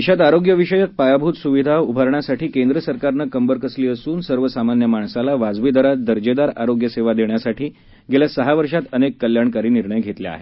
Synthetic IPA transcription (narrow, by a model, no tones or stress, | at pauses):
iɕat̪aɾoɡjəʋiɕəjək̪̚pajabʱuːt̪suʋid̪ʱaubʱəɾɳjasaʈiːkend̪ɾəsəɾkaɾnəkəmbəɾkəsliːəsuːnsəɾʋəsamanjəmaɳsalaʋad͡zʋid̪əɾat̪̚d̪əɾd͡ʑed̪aɾaɾoɡjəseʋad̪eɳjasaʈʰiː | ɡeljasəɦaʋəɾʂat̪ənekːəljaɳkaɾiːniɾɳəjɡʱet̪ljea̰ɦe